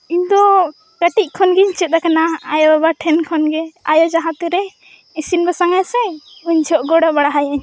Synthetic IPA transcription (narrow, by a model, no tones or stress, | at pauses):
iɲd̪ɔ | kaʈic̚ˀkʰɔnɡɛɲt͡ʃɛt̪̚akanaːjɔbabaʈʰɛnkʰɔnɡɛajɔd͡ʒaɦãt̪ɛɾɛ | isinbasaŋajsɛuɲt͡ʃʰɔʔɡɔɽɔbaɽaɦajaɲ